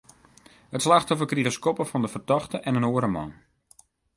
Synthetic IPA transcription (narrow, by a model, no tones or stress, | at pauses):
hətslaxtɔfərkriɣəskɔpəfɔndəfərtɔxtəʔɛnənoəɾəmɔ̰n